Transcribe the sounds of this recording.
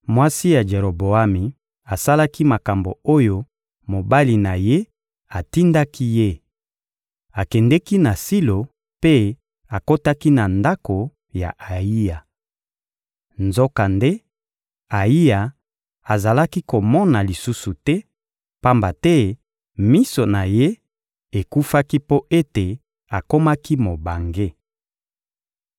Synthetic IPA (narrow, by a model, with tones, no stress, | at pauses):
mwa˦si˦ja˨d͡ʒe˨ʁo˨bo˨a˦mi˨ | a˨sa˦la˦ki˦ma˨ka˨mbo˨o˦jo˦ | mo˨ba˦li˨na˨je˦ | a˨ti˦nda˦ki˦je˦ | a˨kɛ˨ndɛ˦ki˦na˨si˦lo˨ | pe˦ | a˨ko˦ta˦ki˦na˨nda˦ko˨ | ja̰˨ʔa˨i˦ja˨ | nzo˦ka˨nde˦ | a˨i˦ja˨ | a˨za˨la˦ki˦ko˨mɔ˦na˨li˨su˦su˨tɛ˦ | pa˦mba˨tɛ˦ | mi˦so˨na˨je˦ | e˨ku˦fa˦ki˦po˦ʔe˦te˨ | a˨ko˦ma˦ki˦mo˨ba˨ŋɡe˦